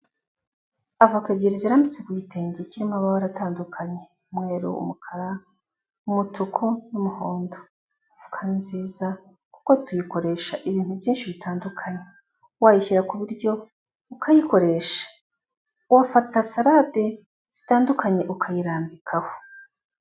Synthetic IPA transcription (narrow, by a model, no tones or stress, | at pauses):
avukaɡiɾiziɾambit͡se̞kuɡite̞ːɲɟeciɾimoaβaβaɾataːndukʰaɲe̞ | mŋeːɾṵṵmukʰaɾa | umutʰukʰunumuhoːndo | uvukʰaninziːza | kuko̞tujiko̞ɾe̞ːʃaʔiβiːn̥huvjiːnʃiβitʰaːndukʰaɲe | wajiʃiɾakuβuɾɟo̞ | ukʰajiko̞ɾe̞ːʃḁ | wafatasaɾade̞ | z̥i̥taːndukʰaɲe̞ʔukʰajiɾaːmbikʰaho